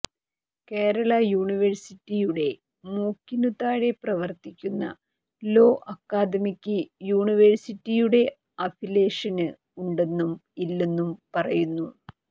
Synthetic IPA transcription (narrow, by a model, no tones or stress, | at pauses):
ke̞ːɾɐɭɐjuːɳiʋɐɻsitːijuɽe̞ | muːkːinut̪ːaːɻe̞prɐʋɐrt̪ikʲːunːɐ̰ | lo̞ːʔɐkːaːd̪ɐmikʲːɨjuːɳiʋɐɻsitːijuɽe̞ | ɐpʰile̞ːʂɐnɨ | uɳɖe̞nːumilːe̞nːumpɐrɐjunːu